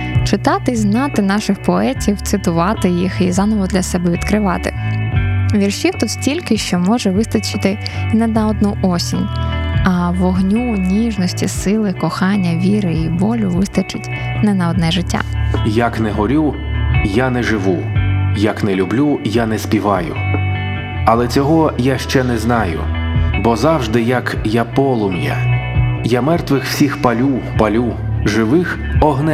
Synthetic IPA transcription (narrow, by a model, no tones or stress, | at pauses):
t͡ʃɪt̪ɑt̪ɪznɑt̪ɪnɑʃɪxpɔɛtʲiwt̪sɪt̪ʊʋɑt̪ɪjixizɑnɔʋɔd̪lʲɐsɛbɛʋʲid̪kɾɪʋɑ̰t̪ɪ̰ | ʋʲirʃʲiwt̪ut̪stʲilʲkɪʃt͡ʃɔmɔʒɛʋɪst̪ɐt͡ʃɪt̪ɪ | nɛnɐɔd̪nuʔɔsʲinʲɐʋɔɦnʲunʲiʒnɔsʲtʲisɪlˠɪkɔxɑnʲːɐʋʲiɾɪibɔlʲʊʋɪst̪ɐt͡ʃɪtʲ | nɛnɐɔd̪nɛʒɪtʲːa̰jaknɛɦɔɾʲu | janɛʒɪʋu | jɐknɛlʲublʲujanɛspʲiʋɑjʊ̰ | ɐlˠɛt͡sʲɔɦɔjaʃt͡ʃɛnɛznɑjʊ̰bɔzɑwʒd̪ɪjɐkjapɔlˠʊmjɛ̰jamɛrt̪ʋɪxw̥sʲixpɐlʲupɐlʲu | ʒɪʋɪx | ɔɦnɛ